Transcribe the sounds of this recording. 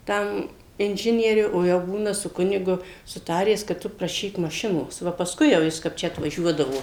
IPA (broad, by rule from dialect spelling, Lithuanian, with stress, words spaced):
ˈtɐm ɪnʲˈʒʲɪnʲiɛrʲʊ oː ˈjɛʊ ˈbuːnɐ sʊ ˈkʊnʲɪɡʊ sʊˈtɑːrʲæːs kɐt ˈtʊ prɐˈʃʲiːk mɐˈʃʲɪnoːs ˈʋɐ pɐsˈkʊɪ jɛʊ ˈjɪs kɐp ˈt͡ʃʲɛ ɐtʋɐˈʒʲuɔdɐʋoː